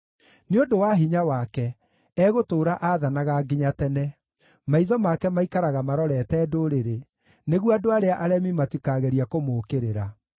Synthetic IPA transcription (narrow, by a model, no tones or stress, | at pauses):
neodowaɦiɲawakɛ | ɛɣotoːɾaʔaðanaɣaɡiɲatɛnɛ | maiðɔmakɛmaikaɾaɣamaɾɔɾɛtɛːdoɾeɾe | neɣwadoaɾeaʔaɾɛmimatikaɣɛɾiakomoːkeɾeɾa